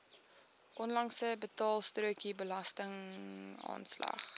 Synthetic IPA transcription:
ʔɔnlɐŋsəbətɑːlˠstruəkibəlɐstəŋ | ɑ̰ːnslɐ̰χ

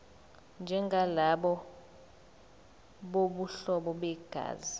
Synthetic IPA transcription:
nd͡ʒʱɛŋɡʱalaɓɔ | ɓoɓuɬɔɓɔɓɛɡ̥ʱa̰ːzi

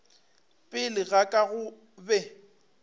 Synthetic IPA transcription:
pʼɪlɪɣakʼaɣʊ | bɛ

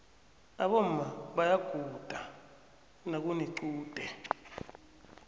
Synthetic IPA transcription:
naɓɔm̩maɓajaɡ̥ʱud̥ʱa | nak̬uniǀuːd̥ʱɛ

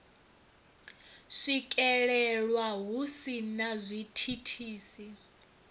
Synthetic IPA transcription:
ʂikʼɛɺɛɺwaɦusinazʷitʰitʰiːsi

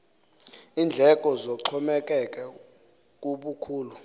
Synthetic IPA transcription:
iːnd͡ɮʱɛkʼɔzɔǁʰɔmɛk̬ʼɛk̬ʼɛ | k̬ʼuɓukʰuːlu

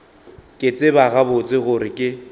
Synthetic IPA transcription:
kʼɪt͡sʼɪbaɣabʊt͡sʼɪɣʊɾɪkʼɪ

